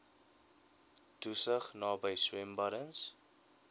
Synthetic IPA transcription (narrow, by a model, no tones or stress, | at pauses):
tusəχnɑːbəjswɛmbɐɾəns